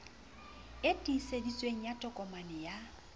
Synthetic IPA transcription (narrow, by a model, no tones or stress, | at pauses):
etʼisedit͡sʼweŋ̩jatʼɔkʼɔmanɪja